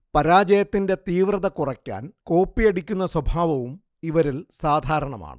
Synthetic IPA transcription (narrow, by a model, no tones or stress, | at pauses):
pɐɾaːd͡ʑɐjɐt̪ːinde̞t̪iːʋrɐðɐkurɐkʲːa̰ːnko̞ːpːijɐɽikʲːun̪ːɐswɐbʱaːʋɐʋum | iʋɐɾilsaːd̪ʱaːɾɐɳɐma̰ːɳɨ̰